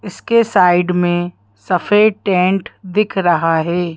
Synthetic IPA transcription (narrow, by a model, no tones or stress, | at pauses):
ɪskesaːɪɖmẽ | sɐfeːʈẽːɳʈd̪ɪkʰɾɐɦaɦɛː